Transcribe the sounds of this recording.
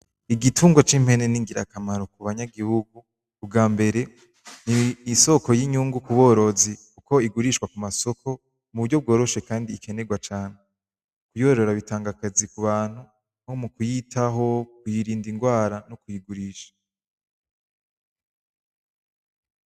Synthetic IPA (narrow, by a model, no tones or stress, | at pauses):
iɡitʰuːŋɡwat͡ʃim̥he̞ne̞niŋɡiɾa̰kamaɾo̞kuβaɲaɡihuɡu | b̚ɡaːmbe̞ɾe̞ | niːso̞kojiɲuːŋɡukuβo̞ɾo̞zikuko̞iɡuɾiʃkwakumaso̞kʰo̞ | muβuɾɟo̞b̚ɡo̞ːɾo̞ʃe̞kaːndiːkʰe̞ne̞ɡwat͡ʃaːne | kujo̞ɾo̞ɾaβitaːŋɡakazikuβaːn̥hu | homukujitʰaɦo̞kujiɾiːndiŋɡwaːɾanokujiɡuɾiːʃḁ